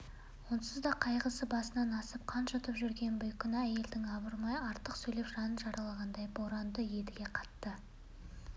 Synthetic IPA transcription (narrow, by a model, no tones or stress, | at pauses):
wo̞nsəzd̪ɑqʰɑjʁəsəbɑsənɑnɑsəp̚qʰɑnʃot̪əpʒʏɾɡʲe̞nbʊjkʲɪnɑæje̞ld̪ɪŋɑbəɾmɑjɑɾt̪əqsɵjle̞pʒɑnənʒɑɾʔɑlˠɑʁɑnd̪ɑjboɾɑnd̪əje̞d̪ɪɡʲe̞qʰɑ̥t̪ːə